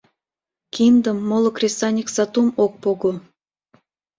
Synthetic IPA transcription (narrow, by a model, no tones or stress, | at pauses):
kʲind̪əmːolˠŏkrʲesɑnʲiksɑt̪umok̚poɡo